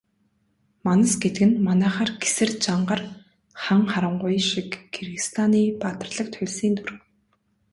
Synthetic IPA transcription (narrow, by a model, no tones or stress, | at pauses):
manə̆sɡet̪ɘ̆ɡɘ̆nmanæːχaːrɡe̥sɘ̆rt͡ɕaɴɢə̆r | χaŋχaɾə̆ɴɢʊjʃikʰːerɣɘ̆st̪ʰaniːpat̪ə̆rɮə̆kt̪ʰʊɮʲsiːnt̪ʰuɾɘ̆w